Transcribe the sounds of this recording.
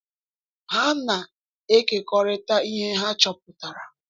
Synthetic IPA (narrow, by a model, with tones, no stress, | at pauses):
ɦa˦na˨ | e˦ke˨kɔ˨ɾɪ˦ta˦i˦ɦe˦ɦa˦t͡ʃɔ˨p̚ʊ˨ta˨ɾa˨